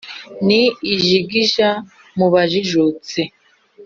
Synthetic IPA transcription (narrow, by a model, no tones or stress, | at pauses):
niːʒiɡiʒa | muβaʒiʒut͡se